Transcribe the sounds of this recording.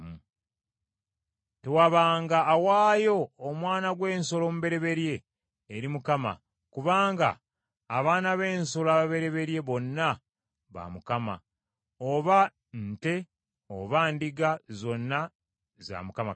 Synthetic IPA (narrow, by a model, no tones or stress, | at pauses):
te̞waβaːŋɡaːwaːjo̞ːmwaːnaɡwe̞ːnso̞lo̞ːmuβe̞ɾe̞βe̞ɾje̞ː | ɾimukama̰ | kuβaːŋɡa̰ː | βaːnaβe̞ːnso̞laːβaβe̞ɾe̞βe̞ɾje̞βo̞nːa | βa̰mukama̰ | oβa | n̩te̞ | o̰βaːndiɡazo̞nːa | za̰mukama